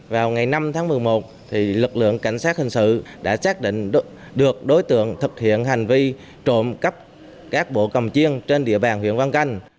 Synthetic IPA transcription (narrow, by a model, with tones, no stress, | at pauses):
vaː˨˩wŋa˨˩jna˧mt̪ʰaː˨˦ŋmɨ˨˩əjmo˨˩t̚ | t̪ʰi˨˩lɨ˨˩k̚lɨ̰˧˨əŋka˧˩jŋ̟saː˦˥t̚hï˨˩ŋ̟sɨ̰˧˨ɗa̰ː˧˥saː˦˥k̚ɗḭ˧˨ŋ̟ | ɗɨ˨˩ək̚ɗo˨˦jt̪ɨ̰˧˨əŋt̪ʰɨ˨˩k̚hḭ˧˨ənɦa˨˩jŋ̟vi˧ | t͡ɕo˧˩mkə˦˥p̚ | kaː˦˥k̚ɓo̰˧˨kə˨˩wŋ͡mt͡ɕi˧əŋt͡ɕe˧nɗḭ˧˨əɓaː˨˩nhw̰i˧˨ənva˧nka˧jŋ̟